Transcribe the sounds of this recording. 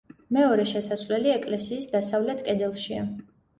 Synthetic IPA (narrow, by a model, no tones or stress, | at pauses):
mɛɔɾɛʃɛsasvlɛliɛkʼlɛsiːsd̪asavlɛt̪ʰkʼɛd̪ɛlˠʃia̰